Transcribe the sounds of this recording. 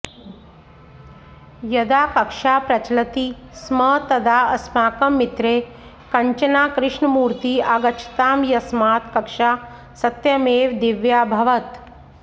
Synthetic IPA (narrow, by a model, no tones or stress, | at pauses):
jɐd̪aːkɐkʂaːpɾɐt͡ʃlɐt̪iːsmɐt̪ɐd̪aːɐsmaːkɐmːit̪ɾeː | kɐɲt͡ʃɐnaːkɾɪʂɳɐmuːɾt̪iːaɡɐt͡ʃʰi̥t̪aːmjɐsmaːt̪kɐkʂaː | sɐt̪jɐmeːʋd̪iʋjaːbʱɐʋɐt̪